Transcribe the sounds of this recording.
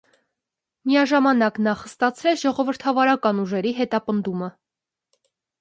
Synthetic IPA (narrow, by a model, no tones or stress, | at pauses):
miɑʒɑmɑnɑknɑχəst̪ɑt͡sʰɾɛt͡sʰʒɔʁɔvəɾt̪ʰɑvɑɾɑkɑnuʒɛɾiɦɛt̪ɑpənd̪umə